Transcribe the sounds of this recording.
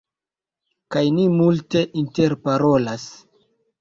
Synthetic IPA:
kajnimulte̞ʔinte̞ɾpaɾo̞las

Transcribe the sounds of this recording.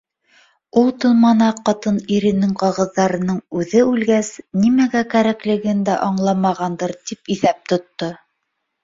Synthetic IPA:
ulˠt̪ɤ̆lˠmɑnɑqɑt̪ɤniɾɘ̆nɘŋqɑʁɤ̆ðːɑɾɤ̆nɤɴʉðɘʉlɡæsnimæɡækæɾæklɘ̆ɡɘnd̪æʔɑɴlˠɑmɑʁɑnd̪ɤɾt̪ipiθæp̚t̪ŏt̪ːo

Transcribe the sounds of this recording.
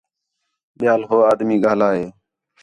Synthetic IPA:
ɓɪjaːlɦoːaːd̪miːɡaːlaːɦeː

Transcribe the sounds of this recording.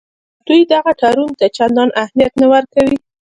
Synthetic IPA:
d̪̥ujd̪aɣaʈʰɑɾunt̪at͡ʃand̪ɑnʔahmijat̪nawaɾkawi

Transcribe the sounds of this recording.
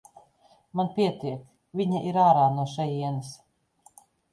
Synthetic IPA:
manpʲiɛt̪iɛk | vʲiɲaʔiɾaːɾaːnuɔʃɛjiɛnas

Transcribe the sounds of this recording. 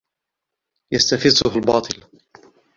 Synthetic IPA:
jast̪afɪzʊhalbɑːt̪ˤɨl

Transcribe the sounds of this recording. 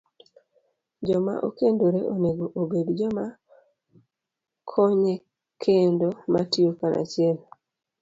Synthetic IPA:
d͡ʒɔma̰ʔo̰kendoɾeʔoneɡoʔobeɡd͡ʒɔma | kʰoɲe | kʰendomatiokanʔa̰t͡ʃɪɛl

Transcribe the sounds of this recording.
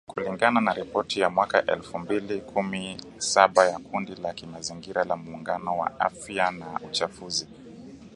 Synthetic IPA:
kuliŋɡananaɾipɔtijamwakaʔɛ̰lfumbilikʰumi | saɓajakundilakimaziŋɡiɾalamuːŋɡanɔwa̰afjanaut͡ʃafuzi

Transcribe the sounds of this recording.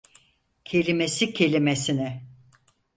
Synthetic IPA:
cʰe̞lʲimesicʰe̞lʲimesinɛ

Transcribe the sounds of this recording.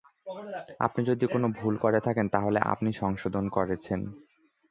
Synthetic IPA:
a̰pnid͡ʑod̪ikonobʱulkoɾet̪ʰakent̪aɦoleʔa̰pniʃɔŋʃod̪ʱonkoɾet͡ɕʰen

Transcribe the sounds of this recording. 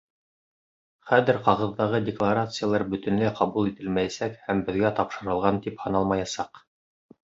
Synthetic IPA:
χæðɘɾqɑʁɤ̆ðːɑʁɤdʲɪklˠaɾat̪sɨjalˠɑɾbɵ̆t̪ɵ̆nlɘqɑβulˠit̪ɘlmæjæsækhæmbɘ̆ðɡæt̪ɑpʃɤ̆ɾɤ̆lˠʁɑnt̪iphɑ̆nɑlˠmɑjɑsɑq

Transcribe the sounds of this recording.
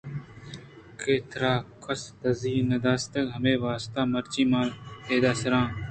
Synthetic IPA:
keːt̪ɾaːkʰəsd̪əziːnəd̪aːst̪əɡɦəmeːʋaːst̪aːməɾt͡ʃiːmaːlt̪eːd̪aːsəɾãː

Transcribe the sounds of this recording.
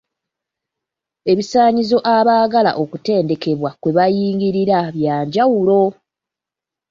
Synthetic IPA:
e̞βisaːɲizo̞ʔaβaːɡala̰ʔo̞kute̞ːnde̞ke̞βwakwe̞βajiːŋɡiɾiɾaβjaːɲɟawulo̞

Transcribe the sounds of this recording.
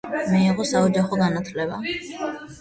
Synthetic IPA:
miiʁɔsaɔd͡ʒaχɔɡanat̪ʰlɛba̰

